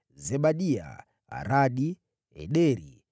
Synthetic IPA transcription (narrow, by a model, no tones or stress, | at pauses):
zɛbaɗia̰ | a̰ɾaɗi | ɛ̰ɗɛɾḭ